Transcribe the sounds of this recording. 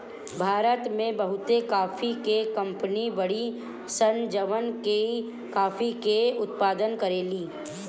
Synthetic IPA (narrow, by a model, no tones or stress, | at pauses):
bʱaːɾət̪mẽbɐɦʊt̪ekaːfikekɐ̃mpənibɐɽi | sənd͡ʒəʋənke | kaːfikeʊt̪paːd̪ənkɐɾeːliː